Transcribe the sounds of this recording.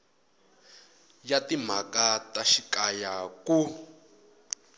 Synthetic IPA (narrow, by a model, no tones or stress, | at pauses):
jatim̤akataʃikajaku